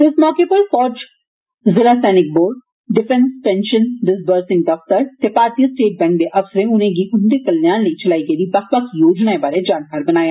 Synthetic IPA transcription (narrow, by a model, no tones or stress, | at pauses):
ɪsmɔːkepɐɾfɔːd͡ʒ | zɪlasɛːnɪk̚boːɾɖ | ɖɪfɛ̃nspɛ̃nʃə̃nɖɪsbəːɾsɪ̃ŋɡ̚d̪ɐft̪əɾt̪epaːɾt̪ijəsʈeːʈ̚bɛ̃ŋkbẽʔɐʋsəɾẽʊnẽɡiʔʊnd̪ekɐlːjaːnleit͡ʃɐlaːiɡed̪ibɐkbɐkijoːd͡ʒnaebaːɾed͡ʒaːnkaːɾbɐnaːjaː